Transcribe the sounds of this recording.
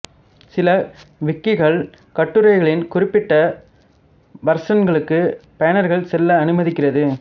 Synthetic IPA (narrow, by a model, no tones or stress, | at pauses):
sɪlɐʋɪkːɪɣɐɭ | kɐʈːɯɾɐɪɣɐɭɪnkʊrɪpːɪʈːɐ | ʋɐɾsɐnɡɐɭɯkːɯpɐjɐnɐɾɣɐɭsɛlːɐːnɯmɐðɪkːɪrɐðɯ